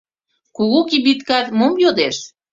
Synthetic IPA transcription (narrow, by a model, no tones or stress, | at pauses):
kuɣukibit̪kɑt̪momjod̪eʃ